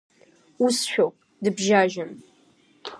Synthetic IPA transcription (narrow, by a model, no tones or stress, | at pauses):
usɕʷᶣowp̚ʰʼdɨbʒaːʒɪm